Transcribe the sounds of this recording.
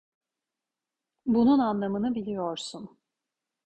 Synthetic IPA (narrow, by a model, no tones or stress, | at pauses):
bununanlˠamɯnɯbilʲijoɾsun